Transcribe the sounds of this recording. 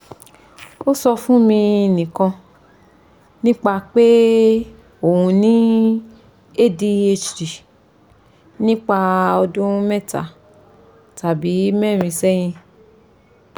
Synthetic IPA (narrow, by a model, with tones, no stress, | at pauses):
o˦sɔ˧fũ˦mĩ˧˨nĩ˨kã˧ | nĩ˦k͡pa˧k͡pe˦ | o˦˨ũ˧nĩ˦ | e˦˨di˧e˧t͡ʃɾi˨ | nĩ˦k͡pa˧ɔ˧dũ˦mɛ˦˨ta̰˨ | ta˨bi˨˦mɛ̃˦˨ɾ̃ĩ˧sɛ˦j̃ĩ˧